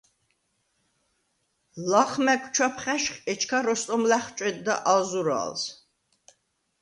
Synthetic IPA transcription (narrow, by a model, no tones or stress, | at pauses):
laqʰmɛkʷʰʼt͡ʃʰwapʰχæʃχɛt͡ʃʰkʰaɾɔst̪ʼɔmlæχt͡ʃʼwɛd̪̚d̪a̰ʔazuɾa̰ls